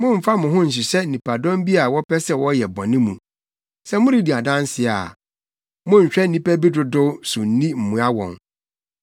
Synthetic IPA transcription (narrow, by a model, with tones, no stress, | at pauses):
mʊ̃˦m̩˨fa˦mʊ̃˨ɦʊ̃˦n̩˨ɕ̬ɪ˨sɛ˦n̩˨nĩ˨pa˨dɔ̃˦m˦bi˦a˨wɔ˦pʰɛ˦sɛ˦wɔ˦jɛ˨bɔ̰̃˨nɪ̃˦mũ˨ | sɛ˦mʊ̃˦ɾi˦di˨a˨dã˦n˦sɪ˨a˨ | mʊ̃˦ɲ̩˨ɕᶣɛ˦n̩˦nĩ˦pæ˦bi˦dʊ˨dʊ˦sʊ̃˨n̩˦nĩ˦m̩˨mũ˨˦a˦wɔ̰̃˨ŋ